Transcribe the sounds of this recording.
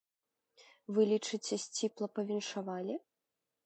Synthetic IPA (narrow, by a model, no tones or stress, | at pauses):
vɨlʲit͡ʂɨt͡sʲɛsʲt͡sʲiplˠɐpɐvʲinʂavalʲi